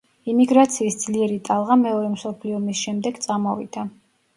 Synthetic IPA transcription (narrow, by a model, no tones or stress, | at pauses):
imiɡɾat̪sʰiːsd̪z̥liɛɾit̪ʼalˠʁamɛɔɾɛmsɔpʰliɔmisʃɛmd̪ɛɡt̪sʼamɔvḭd̪̥a